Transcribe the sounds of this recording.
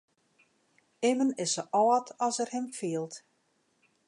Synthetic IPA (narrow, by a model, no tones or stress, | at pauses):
ɪmənɪsəʔɔːtʰɔsərhɪmfiəlˠt